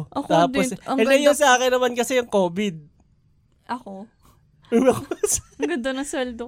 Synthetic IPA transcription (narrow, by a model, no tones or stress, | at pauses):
ʔokt̪aːd̪oɛd̪ɛjʊnsɐʔaːkɪnɐmankɐsɛjʊŋkoːbɪd̪̚ | ʔɐko | ɐks | ɡɐnd̪onɐŋsɛld̪o